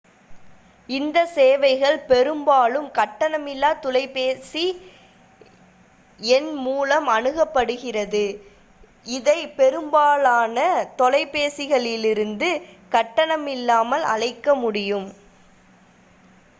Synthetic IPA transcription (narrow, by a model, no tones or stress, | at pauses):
ɪnd̪ɐseːʋɐɪɣɐɭpɛɾɯmbaːlɯmkɐʈːɐɳɐmɪlːaːt̪ʊlɐɪpeːsi | ɛnmuːlɐmɐnɯɣɐpːɐɽɯɣɪrɐðɯ | ɪðɐɪpɛɾɯmbaːlaːnɐt̪ɔlɐɪpːeːsɪɣɐɭɪlɪɾɯnd̪ɯkɐʈːɐɳɐmɪlːaːmɐlɐ̰ɻɐɪkːɐmʊɽɪjɯm